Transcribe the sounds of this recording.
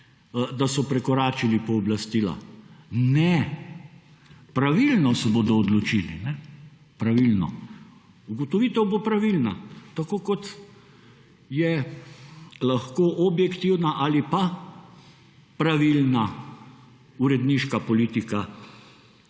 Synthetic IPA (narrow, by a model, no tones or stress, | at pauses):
d̪asɔpɾɛkɔɾaːt͡ʃilipɔːblast̪iːla̰nɛ | pɾaʋilnɔsɛboːd̪ɔːd̪lɔt͡ʃilḭnɛ | pɾaʋilnɔ̰ | uɡɔt̪ɔʋiːt̪ɛwbopɾaʋilnat̪akoːkɔt̪ | jɛ | laxkoːʔɔbjɛkt̪iwnaʔalipa | pɾaʋilna | uɾɛd̪niːʃkapɔliːt̪ika